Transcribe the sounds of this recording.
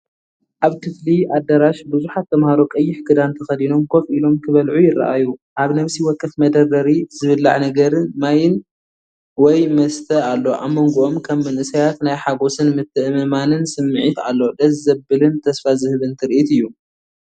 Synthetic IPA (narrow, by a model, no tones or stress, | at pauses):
ʔaβkʰɨfliʔad̪ːɐɾaʃbɨzuħat̪ʰːɐmhaɾokʼɐjːɪħɡɨd̪ant̪ʰɐxɐd̪ino̞mkʰo̞fʔilo̞mkʰɨβɐlʕujɪra̰ʔajuʔaβnɐβsiwɔkʰːɨfmɐd̪ɐrɐɾiz̥ɨβɨlːa̰ʕnɐɡɐɾɨmajɪn | wɔjmɐst̪ʰɐalːo̞ʔamːoŋɡoʔomkʰɐmːɨnʔɨsajat̪najħaɡo̞sɨnmɨt̪ʰːɨʔɨmɨmanɨnsɨmːɨʕit̪a̰lːo̞d̪ɐzːɐbɨlɨnt̪ʰɐsfazɨhɨβɨnt̪ʰɨɾʔit̪ɨjːu